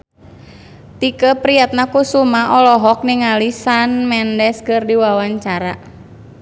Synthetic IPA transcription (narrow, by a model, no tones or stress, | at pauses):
t̪ikəpɾiat̪̚nakusumaʔɔlɔɦɔk̚niŋalisanmɛndɛskɨrdiwawaɲt͡ʃaɾa̰